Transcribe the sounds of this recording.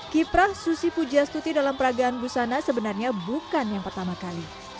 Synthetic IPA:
kipɾahsusipud͡ʒast̪ut̪idalampəɾaɡaːnbusanasəbənarɲabukanjaŋpərt̪amakali

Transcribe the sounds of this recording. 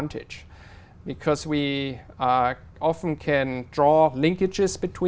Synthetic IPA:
ntʰɪ̰̥d͡ʒ̥ | b̥ɨkʰʌzwi | ʔɑfn̩kʰɨ̃ndɹɔlɪ̃ŋkɨd͡ʒɪzb̥ɨtʰw̥ĩ

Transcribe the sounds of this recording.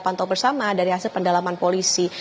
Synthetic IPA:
pant̪ɔbərsamadaɾiɦasɪlpəndalamanpolisi

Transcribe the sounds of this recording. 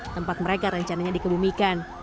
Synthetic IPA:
t̪əmpat̪̚məɾekaɾəɲt͡ʃanaɲadikəbumikan

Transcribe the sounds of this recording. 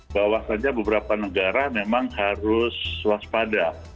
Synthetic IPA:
bawasad͡ʒabəbəɾapanəɡaɾamemaŋhaɾʊswaspada

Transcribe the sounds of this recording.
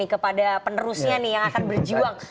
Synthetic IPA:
ɪkəpadapənəɾusɲanɪhjaŋakanbərd͡ʒuaŋ

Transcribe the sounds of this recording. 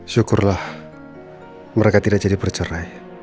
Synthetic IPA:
ʃukʊrlah | məɾekat̪idaʔ̚d͡ʒadipərt͡ʃaɾai

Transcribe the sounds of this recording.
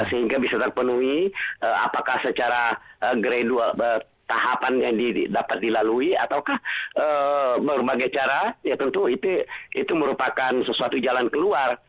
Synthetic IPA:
səɦiŋɡabisat̪ərpənuɦiʔəa̰pakahsət͡ʃaɾaəɡɾeduə | t̪aɦapanjaŋdidapat̪̚dilaluia̰t̪awkahəbərbaɡajt͡ʃaɾajat̪ənt̪uit̪uit̪uməɾupakansəsuat̪ud͡ʒalankəluar

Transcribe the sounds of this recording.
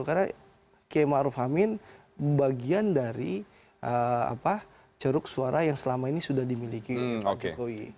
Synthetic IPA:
kaa | kaamaʔɾufhamɪn | baɡiandaɾḭ | ʔəa̰pa | t͡ʃəɾʊk̚suaɾʔajaŋsəlamainisudahdimilikiokḛkoḭ

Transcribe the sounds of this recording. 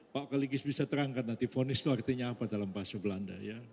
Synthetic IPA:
paʔkalikɪsbisat̪əɾaŋkat̪̚nant̪ifonɪst̪uart̪iɲaːpadalampasəbəlanda̰ja

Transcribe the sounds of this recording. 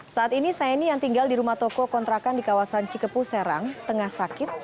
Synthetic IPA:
saʔat̪inisajainijaŋt̪iŋɡaldiɾumaht̪ɔkɔkɔnt̪ɾakandikawasant͡ʃikəpuseɾa̰ŋt̪əŋahsakɪt̪̚

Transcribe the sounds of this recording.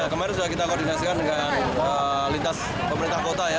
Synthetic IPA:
akəmaɾans̬udahkit̪akordinasikandəŋanə | lint̪as | pəməɾint̪ahkot̪aja

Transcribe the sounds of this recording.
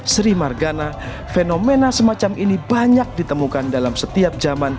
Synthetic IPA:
sɾimarɡana | fenomenasəmat͡ʃamʔinibaɲak̚dit̪əmukandalamsət̪iap̚d͡ʒaman

